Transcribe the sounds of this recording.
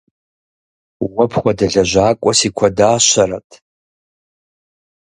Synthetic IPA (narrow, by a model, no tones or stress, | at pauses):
wɐpʰχʷadɐɮɐʒʷaːkʷʼɔsikʷʰadaːʃʷaɾatʼʰ